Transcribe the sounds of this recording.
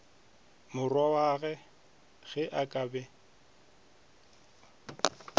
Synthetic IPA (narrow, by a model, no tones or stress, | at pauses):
mʊrwawaɣɛ | ɣɛʔakʼabɛ